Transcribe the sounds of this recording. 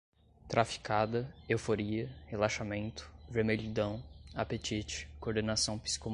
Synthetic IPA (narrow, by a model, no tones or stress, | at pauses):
t̪ɾʔafi̥kʰad̪ɐewfoɾiɐhelaʃamẽnt̪ʊ̥veɾmeʎid̪ɐ̃w̃apet͡ʃit͡ʃɪ̥koɾd̪enasɐ̃w̃pi̥si̥kom